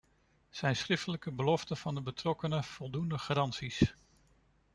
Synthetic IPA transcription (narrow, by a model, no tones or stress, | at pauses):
z̥ɛjnsχrɪftələkəbəlɔftəv̥ɑndəbətrɔkənəv̥ɔlˠdundəχarɑnsis